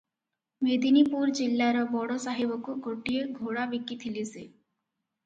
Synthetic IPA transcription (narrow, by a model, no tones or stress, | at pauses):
med̪inipuɾd͡ʒilːaɾɔbɔɽɔsaɦebɔkuɡoʈijeɡʱoɽabikit̪ʰilise